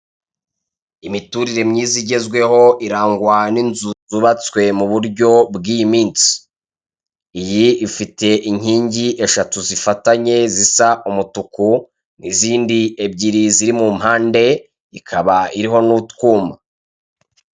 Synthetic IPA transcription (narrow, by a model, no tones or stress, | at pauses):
imituɾiɾe̞mɲiːziɟe̞zɡwe̞ɦo̞iɾaːŋɡwaninzuzuβat͡swe̞muβuɾɟo̞bɡiːjimiːnsi̥ | jiifite̞ʔiɲ̥iːɲɟiʔe̞ʃatuzifataɲe̞zisaʔumutuku | nʔiziːndie̞bɟiɾiziɾimumhaːnde̞ | ikʰaβaiɾiɦo̞nutkuːma